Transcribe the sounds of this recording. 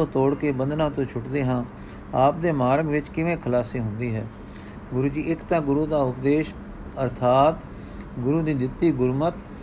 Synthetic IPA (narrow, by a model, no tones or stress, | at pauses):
õːt̪oːɽkeːbənd̪nãːt̪õːt͡ʃʰʊʈd̪eːɦãː | aːpd̪eːmaːɾəɡʋɪt͡ʃkɪʋẽːkʰəlaːsiːɦʊnd̪iːɦɛ̰ː | ɡʊɾuːd͡ʒiːɪkt̪ãːɡʊɾuːd̪aːʊpd̪eːʃ | əɾt̪ʰaːt̪ | ɡʊɾuːd̪iːd̪ɪt̪ːiːɡʊɾmət̪